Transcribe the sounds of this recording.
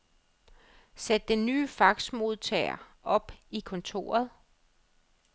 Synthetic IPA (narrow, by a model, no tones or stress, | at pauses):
sed̥d̥enːyːfɑ̈ɡ̥smo̝ð̞ˠt͡sʰɛ̰ɪɐ̰ | ʔɒ̽b̥ikʰɔ̽nt͡sʰo̝̰ːɐð̞ˠ